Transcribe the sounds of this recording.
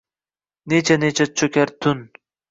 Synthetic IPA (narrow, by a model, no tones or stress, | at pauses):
net͡ʃʰanet͡ʃʰat͡ʃʰɵkʲʰaɾt̪ʰʊn